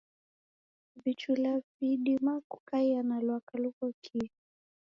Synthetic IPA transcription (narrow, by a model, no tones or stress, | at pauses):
vit͡ʃulaviɗimaku̥kaianalwakalukɔkʰi